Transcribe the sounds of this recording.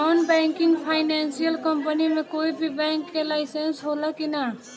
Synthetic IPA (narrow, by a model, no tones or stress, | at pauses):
anbɛŋkiŋɡpʰaɪnansijəlkəmpənimekoibʱibɛŋkːelaɪsensɦoləkina